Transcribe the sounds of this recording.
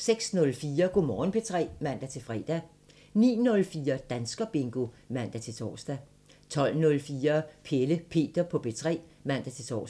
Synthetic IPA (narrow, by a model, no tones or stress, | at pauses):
seɡ̥snɔ̽lfiːɐɡ̥o̝mɒːn̩pʰet͡sʰʁɛ̰ːmæn̰d̥æt͡sʰe̝fʁɛ̰ːd̥æ | nḭːnɔ̽lfiːɐd̥ænsɡ̥ɐb̥e̝ŋɡ̥o̝ | mæn̰d̥æt͡sʰe̝t͡sʰɒ̰ːsd̥æ | t͡sʰɒ̽l̰nɔ̽lfiːɐpʰeləpʰe̝̰ːd̥ɐpʰɒ̽b̥e̝t͡sʰʁɛ̰ːmæn̰d̥æt͡sʰe̝t͡sʰɒ̰ːs